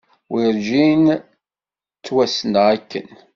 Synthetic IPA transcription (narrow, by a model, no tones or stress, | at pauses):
wiɾd͡ʒin | t͡sːwæsənʁækːə̰n